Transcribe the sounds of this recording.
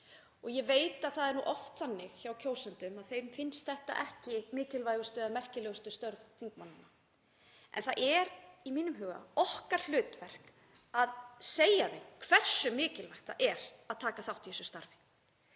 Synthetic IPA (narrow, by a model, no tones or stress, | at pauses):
ɔɣjɛveːjt̪aðθaðɛɾnṵʔɔft̪θanːɪɣçawcʰoːwsɛnt̪ʏmaðθejɾmfɪnst̪θɛht̪a̰ʔɛhcɪmɪːcɪlvajɣʏst̪ʏðamɛr̥cɪlɛːɣʏst̪ʏst̪œɾðθiŋkmanːɪna | ʔɛ̰nθaʔɛɾimiːnʏmɦʏːɣa̰ɔhkaɾ̥l̥ʏːt̪vɛr̥k | aðseːjaðejkʰv̥ɛr̥sːʏmɪːcɪlvaht̪a̰ʔɛɾaðt̪ʰaːkaθawht̪jɛːsʏst̪aɾvɪ